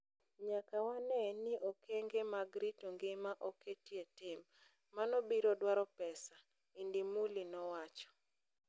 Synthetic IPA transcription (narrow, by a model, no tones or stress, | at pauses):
ɲakawanɛnɪʔɔkeŋɡemaɡɾitɔŋɡɪmaʔɔketietɪmː | anɔbiɾɔdwaɾɔpɛsa | indimulinɔwat͡ʃɔ̥